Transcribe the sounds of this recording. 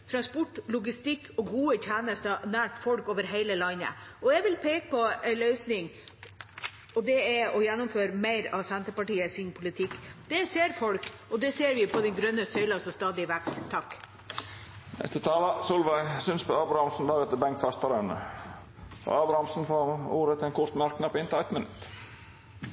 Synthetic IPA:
t̪ʰɾɑnspɔʈːlʊɡɪst̪ɪkʰːɔɡuːəçæːnəst̪ɑnæːʈfɔlkoːʋəɾɦeɪləlɑɪnə̰ɔɛɡʋɪlpʰeːkə̥pʰɔɛɪlœʏsnɪŋ | ɔd̪ɛɛɔjɛnːɔmføːɾmeɪɾɑ̰ʋsɛnt̪əpɑʈiːəsɪnpʰʊlɪt̪ʰɪkːd̪̥ɛseːɾfɔlkɔd̪ɛseːɾʋɪpʰɔd̪ɛnɡɾœnːəsœʏlɑsɔst̪ɑːd̪ɪʋækst̪ʰːɑkː | nɛ̰st̪ət̪ʰɑːlɑsulʋæɪsʏnspɔɑːbɾhɑmsn̩d̪ɑːɡət̪ːəbɛŋkt̪fɑst̪ɑɾənə | pʰɔ̰ɑːbɾɑmsn̩fɔuːɾət̪ʰɪɛnkʰʊɾt̪mɑɾknɑpɪnt̪ɛt̪mənʉt̪

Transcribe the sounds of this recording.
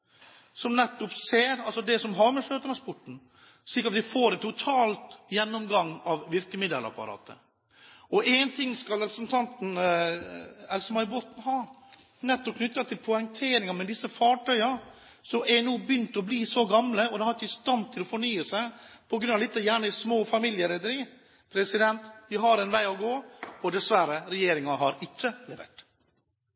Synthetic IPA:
sɔmnɛt̪ːɔpseːɾɑlsɔd̪ɛsɔmɦɑɾmɛʂøːt̪əɳɑspʊʈɳ̩ | ʂɭɪːkɾɑt̪ʋɪfoːɾɛt̪ʰːʊt̪ʰɑːlt̪jɛnːɔmɡɑŋːɑʋʋɪɾkəmɪd̪əlɑ̰pɑ̰ɾɑ̰ːt̪ʰə̰ | ɔʔɛnt̪ʰɪŋːskɑlɾɛpɾəsnt̪ʰɑnt̪n̩ | ɛlsəmæɪboːt̪n̩ɦɑː | nɛt̪ːɔp̚kʰnʏt̪ːɑt̪ʰɪlpʰɔɪŋt̪ʰeːɾɪŋɑmɛd̪ɪsːəfɑːʈʰœʏɑ | sɔɛnuːbjʏnt̪ɔbliːsɔɡɑmləɔd̪ɛhɑɾɪt͡ʃːəɪst̪ɑnt̪ʰɪlɔfɔɳyːəsæɪpʰɔɡɾʉnːɑʋlɪt̪ːəjæːɳəsmoːfɑmiljəɾɛd̪əɾiː | pʰɾɛsɪd̪ɛnt̪d̪ɪɦɑɾɛnʋæɪɔɡoːɔd̪ɛsʋæɾəɾɛjeːɾɪŋɑɦɑɾɪt͡ʃːəlɛʋḛːʈ

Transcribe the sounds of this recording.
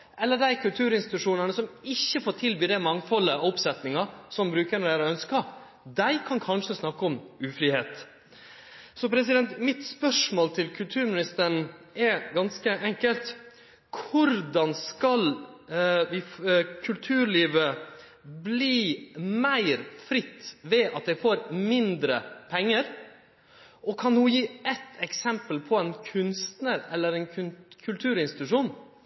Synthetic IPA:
ʔɛlːəɖæɪkʰʉlt̪ʰʉːɾɪnst̪ɪt̪ʉʂuːnənəsɔmɪçːəfoːɾʈ̪ʰɪlbyːd̪æɪmɑŋfɔlːəɑɔpsɛt̪nɪŋɑsɔmbɾʉːkənɔd̪æːɾɔœnskɑ | d̪æɪkʰɑnkʰɑnʂəsnɑkːəɔmʉːfɾiːheːt̪ | sɔpʰɾɛs̬ɪd̪ɛnt̪mɪt̪spœʂmoːlt̪ʰɪlkʰʉlt̪ʰʉːɾmɪnɪst̪əɳ̩ɛɡɑnskəʔɛŋkəlt̪ | kʰʊɾd̪ɑnskɑl | ʋɪkʰʉlt̪ʰʉːɾɭiːʋə | bliːmæɪɾfɾɪt̪ːʋɛɑt̪̚d̪ɛɪfoːɾmɪnd̪ɾə̰pʰɛŋːəɾ | ʔɔkʰɑnhʊjiːʔɛt̪ːɛksɛmpəlpʰɔɛɪnkʰʉnst̪nəɾɛlːəɾɛɪnkʰkʰʉlt̪ʰʉːɾɪnst̪ɪt̪ʉʂuːn

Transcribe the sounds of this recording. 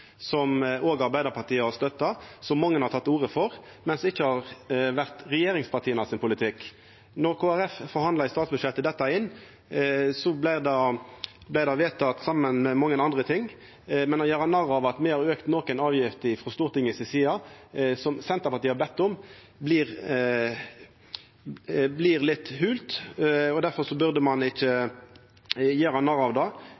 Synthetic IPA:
sɔmoːɡɑɾbæɪd̪əɾpʰɑt̪iːəɑst̪œt̪ːɑsɔmːɑŋːənhɑɾt̪ʰɑt̪ːuːʁəfɔʁ | mɛnsd̪ɛɪçːəhɑʁʋæʁt̪ɾɛjeːɾɪŋspʰɑʁt̪ʰiːənɑsɪnpʊlɪt̪ʰɪkː | nɔʁkʰoːæɾɛffɔɾhɑnd̪lɑɪst̪ɑːt̪sbʉd̪ʃjɛt̪ːəd̪ɛt̪ːɑɪnː | sɔblæɪd̪ɑblæɪd̪ɑʋeːt̪ʰɑt̪sɑmːənmɛmɑŋːənɑnd̪ʁət̪ʰɪŋː | mɛnːɔjɛːʁɑnɑʁɑʋɑt̪mɛhɑɾøːkt̪nɔkɛnɑːʋjɪft̪ɪfʁɔst̪uːʁt̪ɪŋəsɪsiːɑsɔmsɛnt̪əʁpɑʁt̪iːhɑʁbɛt̪ːʊm | bliʁ | blɪʁlɪt̪ːhʉːlt̪ɔd̪æʁfɔʁsɔbʉʁd̪əmɑnɪçːə | jeːʁɑnɑʁɑʋd̪ɑː

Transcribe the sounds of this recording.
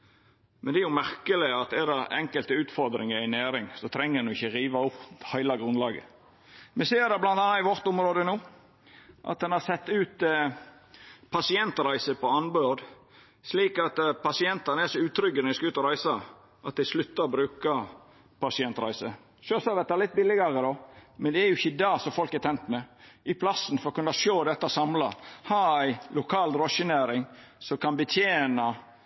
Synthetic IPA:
mɛnd̪ɛæɾjʊmæɾkəlɪɑt̪ɛd̪ɛɛ̰ŋkəlt̪əʉːt̪fɔɾd̪ɾɪ̰ŋəæɪnæːɾɪŋsɔt̪ʰɾɛŋːəɾɛnɔɪçːəɾiːʋɑʊphæɪlɑɡɾʉnlɑːɡə̰ | mɛseːɾd̪ɛblɑnt̪ɑnːɑɪʋɔɾt̪ʊmɾoːd̪ənuː | ʔɑ̰t̪̚d̪ɛnhɑsɛt̪ːʉːt̪ | pʰɑsɪɛnt̪ɾæɪsəpɔɑnbød̪ | sliːkɑt̪pɑsɪɛnt̪ɑnəæsɔʉːt̪ʰɾʏɡənəʋɪskɑʉːt̪ɔɾæɪsɑ | ʔɑt̪̚d̪ɛɪslʉt̪ːɑɔbɾʉːkɑ | pɑsɪɛnt̪ɾæ̰ɪsə | ʃøːsɑʋɛt̪ːɑlɪt̪̚bɪlːɪɡɑɾəd̪ɔmɛnd̪ɛæɾjʊɪçːəd̪ɑːsɔfɔlkæɾt̪ʰɛnt̪mɛʔɪpʰlɑsːənfɔɾɔkʉnːɑʃoːd̪ɛt̪ːəɔsɑmlɑhɑɾæɪlʊkʰɑːld̪ɾɔʃənæːɾɪŋsɔkʰɑnbət̪ʰjeːnɑ

